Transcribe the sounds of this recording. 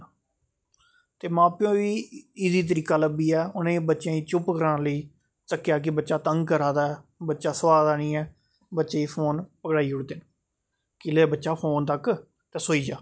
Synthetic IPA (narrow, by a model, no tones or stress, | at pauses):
t̪eːmãːpɪjõːʋiːɪziːt̪̬əɾiːkaːləbiːɛːʊnẽːbətːʃjãːiːt͡ʃʊpkəɾãːləiː | səkːjaːk̬ɪbətːʃaːt̪əŋɡkəɾaːd̪aːɛːbətːʃaːsʋaːd̪aːnĩːɛː | bətːʃeːiːpʰoːnpəkɽaːiːʊɽd̪eːn | kɪleːbətːʃaːpʰoːnt̪ək | t̪eːsoːiːd͡ʒaː